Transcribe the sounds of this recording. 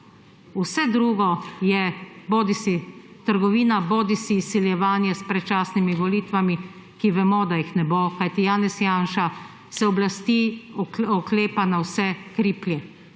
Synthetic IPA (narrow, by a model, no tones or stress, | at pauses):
usɛd̪ɾuːɡɔjɛboːd̪isit̪əɾɡɔʋiːnaboːd̪isiːsːiljɛʋaːnjɛspɾɛt͡ʃaːsnimiʋɔliːt̪ʋami | kiʋɛmɔd̪ajixnɛbokajt̪ijaːnɛsjaːnʃa | sɛɔblast̪i | ɔkleːpanawsɛkɾiːpljɛ